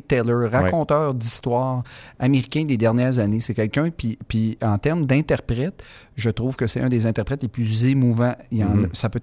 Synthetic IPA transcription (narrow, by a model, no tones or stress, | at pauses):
t̪ɛlə˞ʁakɔ̃ːt̪œːʁd̪ist̪wɑːʁameʁikʲɛ̃d̪ed̪ɛʁnjɛːʁzanesɛkʲɛlkʲœ̃pipiɑ̃t̪ɛʁmd̪ɛ̃t̪ɛʁpʁɛt̪ | ʒət̪ʁuːv̥kəsɛœ̃d̪ezɛ̃t̪ɛʁpʁɛt̪leplyzemuvãiɑ̃ːnsapø